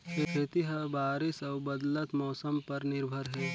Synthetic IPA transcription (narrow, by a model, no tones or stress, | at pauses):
kʰekʰet̪iɦɐbaːɾɪsɐːbɐd̪lət̪mɔːsəmpɐɾnɪɾbʱəɾɦɛː